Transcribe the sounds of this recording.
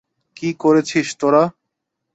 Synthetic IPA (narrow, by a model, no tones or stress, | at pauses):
kikoɾet͡ɕʰiʃt̪oɾa